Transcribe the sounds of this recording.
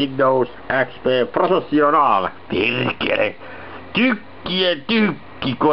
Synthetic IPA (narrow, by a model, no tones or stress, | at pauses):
inːous | ʔækspeːprofesːionɑːlpirkḛlḛ | t̪ykːiet̪ykːiko